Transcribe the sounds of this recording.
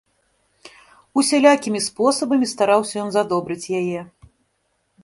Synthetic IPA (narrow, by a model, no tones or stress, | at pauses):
usʲalʲakʲimʲispɔsɐbɐmʲist̪aɾawsʲɐjɔnzad̪ɔbɾɨt͡sʲjajɛ